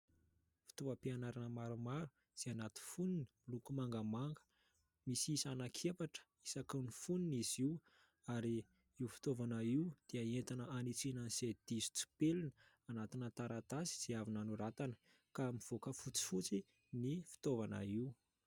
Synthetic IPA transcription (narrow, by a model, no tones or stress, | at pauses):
fi̥t̪ovəpianaɾanəmaɾumaɾu | z̥eanat̪i̥funini̥milukumaŋɡəmaŋɡə̥ | misisanakʰepaʈ͡ʂə̥ | isakanifuniniziw | aɾi | iufi̥t̪ovanaiwd̪̥eaent̪anəanit͡sinənised̪̥izu̥t͡si̥pelinə̥ | anat̪inət̪aɾat̪azi̥z̥eavinanuɾat̪anə̥ | kamiv̥okəfut͡si̥fut͡si | nifi̥t̪ovana̰iw